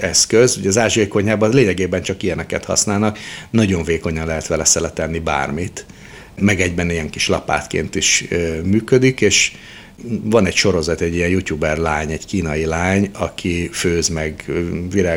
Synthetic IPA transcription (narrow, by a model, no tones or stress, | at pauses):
ɛskøzuɟɛːzaːʒeːko̞ɲaːbɒnleːɲɛɡeːbɛnt͡ʃɒkijɛnɛkɛt̪hɒ̰snaːlnɒknɒɟo̞ɱveːko̞ɲɒnlɛɦɛt̪ʋɛlɛsɛlɛt̪ɛnːiba̰ːrmit̪ | mɛɡɛɟbɛnijɛŋkiʃlɒ̰pa̰ːt̪kḛːnt̪iʃmyːkød̪ikeːʃ | vɒnɛcʃo̞ɾo̞zɒt̪ɛɟːijɛnjut̪uːbɛrlaːɲɛɟkiːnɒjilaːɲɒkʰiføːzmɛɡʋiɾaː